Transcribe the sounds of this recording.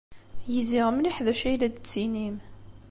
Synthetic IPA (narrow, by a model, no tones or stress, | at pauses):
jiziʁmliħðæʃæjlæd̪t͡sːinim